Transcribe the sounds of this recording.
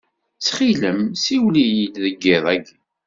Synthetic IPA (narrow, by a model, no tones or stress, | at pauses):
t͡sːχiləmsiwlijilðəɡːɪðˤæɡ